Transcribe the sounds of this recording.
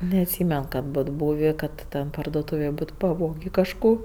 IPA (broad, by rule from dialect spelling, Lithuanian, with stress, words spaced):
nʲɛɐtʲˈsʲiːmʲɛn kɐt ˈboːt ˈbuːʋʲeː ˈkɐt tʲɛn pɐrduɔˈtuːʋʲeːj ˈboːt pɐˈʋoːɡʲeː kɐʃˈkoː